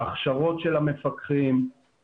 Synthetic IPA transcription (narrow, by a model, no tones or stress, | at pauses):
aχʃaʁo̞tʃelame̞fakʁim